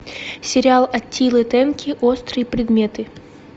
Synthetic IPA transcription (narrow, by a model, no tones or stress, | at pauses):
sʲɪɾʲɪalˠɐtʲʰːilˠɨt̪ɛnkʲɪʔost̪ɾɨjəpɾʲɪd̪mʲet̪ɨ